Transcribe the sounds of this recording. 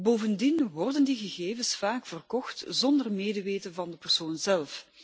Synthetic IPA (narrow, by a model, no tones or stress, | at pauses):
boːvəndinʋɔrdəndiɣəɣeːvəsfaːkfərkɔxtzɔndərmeːdəʋeːtənvɑndəpərsoːnzɛlˠf